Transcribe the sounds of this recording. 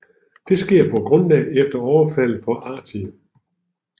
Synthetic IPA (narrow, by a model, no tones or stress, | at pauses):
d̥e̝sɡ̥e̝ɐ̰pʰɒ̽ɡ̥ʁɔ̽nlɛ̰ːefd̥ɐɒʊɐfæl̰pʰɒ̽ʔɑ̈ːdʰi